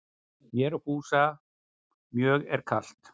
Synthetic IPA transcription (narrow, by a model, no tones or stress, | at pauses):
mjɛɾhuːsa | mjœːɣɛɾkʰal̥t̪